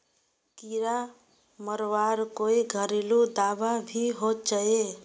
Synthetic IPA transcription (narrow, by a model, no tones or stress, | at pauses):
kiɾa | mʌɾwaɾkoiɡʱʌɾilud̪ababʱiɦot̪̚d͡ʒʌe